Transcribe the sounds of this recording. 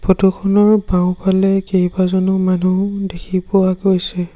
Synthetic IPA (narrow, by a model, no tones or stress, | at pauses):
pʰotukʰɔnɔɹbãʊ̃palɛkejbazɔnʊmanudekʰipɔwaɡojsɛ